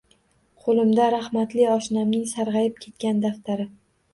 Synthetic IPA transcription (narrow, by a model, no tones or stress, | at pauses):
qʰolˠɪmd̪aɾahmat̪lɪɒʃnamnɪŋsaɾʁɑjɪp̚kʲʰe̞t̪kʲand̪aft̪aɾɪ